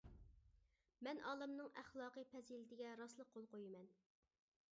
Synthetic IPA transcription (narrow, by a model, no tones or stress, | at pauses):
mɛnɑːlˠɨmnɨŋæχlˠɑːqəpʰɛzilɪd̪ɪɡʲɛɾɑslˠəq̚ʰːolˠqojimɛn